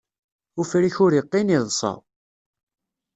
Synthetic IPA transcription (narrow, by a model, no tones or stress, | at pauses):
ufɾiçʊɾjəqːiniðˤsˤɑ̰